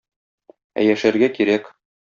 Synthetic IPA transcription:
æ̰jæʃæɾɡækiɾæk

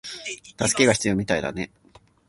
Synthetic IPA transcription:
t̪asɨ̥ke̞ɡaçʲi̥t͡sɨjo̞ːmʲit̪aid̪a̰ne̞

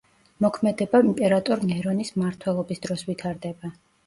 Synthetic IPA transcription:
mɔkʰmɛd̪ɛbaimpʼɛɾat̪ʼɔɾnɛɾɔnismaɾt̪ʰwɛlˠɔbisd̪ɾɔsvit̪ʰaɾd̪ɛba

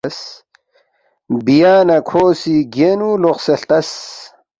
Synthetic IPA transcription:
s | bijaːnɐkʰoːsiɡenuloqseɬt̪ɐs

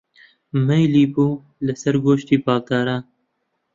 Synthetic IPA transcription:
mejliːbuː | lɨsɐɾɡoːʃt̪iːpɑːlt̪ɑːɾa

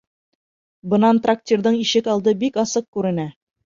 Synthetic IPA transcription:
bɤ̆nɑnt̪rak̚tʲird̪ɤɴiʃɘkɑlˠd̪ɤbikɑsɤq̚kʉɾɘ̆næ

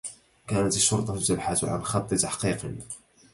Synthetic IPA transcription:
kæːnat̪ɪʃːʊɾˤt̪ˤɑt̪abħat̪ʕa̰nxɑt̪ˤːɨt̪aħqiːqḭ

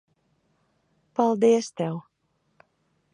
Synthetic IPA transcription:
palˠd̪iɛst̪ɛw

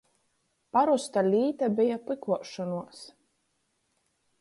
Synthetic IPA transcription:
paɾust̪alʲiːt̪abijaplɨkuɔʃɔnuɔs

